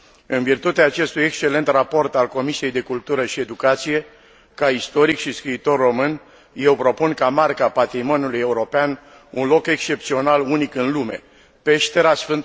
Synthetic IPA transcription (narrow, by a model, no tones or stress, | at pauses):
ɨnvirt̪ut̪eaːt͡ʃe̞st̪uje̞kst͡ʃe̞le̞nt̪rapo̞rt̪alko̞misije̞jd̪e̞kult̪uɾəʃie̞d̪ukat̪sije̞ | kaist̪o̞ɾikʃiskɾiːt̪o̞rːo̞mɨn | je̞wpɾo̞punkamarkapat̪ɾimo̞nuluje̞uɾo̞pean | unlo̞ke̞ksʃt͡ʃe̞p̚t̪sio̞nalunikɨnlume̞̰ | pe̞ʃt̪eɾasfɨnt̪